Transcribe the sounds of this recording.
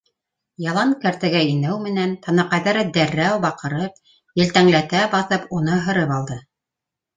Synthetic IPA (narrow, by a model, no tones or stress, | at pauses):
jɑlˠɑŋkæɾt̪ɘ̆ɡæinɘwmɘ̆nænt̪ɑnɑqɑjðɑɾɤd̪æɾːæwbɑqɤ̆ɾɤp̚ | jɘ̆lt̪æŋlæt̪æbɑθɤpunɤɦɤ̆ɾɤpɑlˠd̪ɤ